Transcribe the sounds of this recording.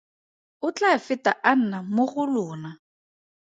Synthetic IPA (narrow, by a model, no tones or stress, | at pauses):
ʊt͡ɬafɪtaʔan̩namʊχʊlʊːna